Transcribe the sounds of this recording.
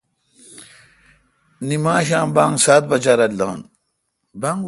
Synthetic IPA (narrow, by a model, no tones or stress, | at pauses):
nimãːɕãːmbãːŋɡsaːt̪̚bɐt͡ɕaɾɐld̪ã̰ːn | bɐŋ